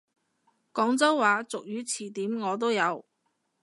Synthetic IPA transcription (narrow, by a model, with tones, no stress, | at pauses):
kɔː˨˥ŋt͡sɐ˥wːaː˨˧t͡sʊ˨k̚jyː˨˧t͡sʰiː˨˩t̪iː˨˥mŋɔː˨˧t̪o˥wjɐ˨˧w